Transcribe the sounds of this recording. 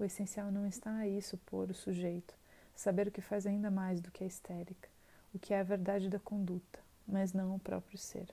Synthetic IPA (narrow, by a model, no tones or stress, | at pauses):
ʊesẽsiawnɐ̃w̃ɪst̪aɐisʊpoɾʊsuʒejt̪ʊ̥ | sabeɾʊkɪfajzaĩnd̪ɐmajzd̪ʊkɪɐist̪ɛɾikɐ̥ | ʊkʰɪɛɐveɾd̪ad͡ʒɪd̪ɐkõnd̪ut̪ɐ̥ | mɐznɐ̃w̃ʊpɾɔ̰pɾjʊsḛɾ